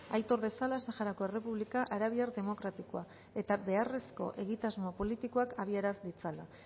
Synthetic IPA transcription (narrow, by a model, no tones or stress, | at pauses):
ajt̪o̞ɾðe̞salasaxaɾako̞e̞re̞puβ̞likaʔaɾaβ̞iaɾðe̞mo̞kɾat̪ikoa | e̞t̪abe̞are̞sko̞̰ʔe̞ɣit̪azmo̞po̞lit̪iko̞akaβiaɾazd̪it͡sala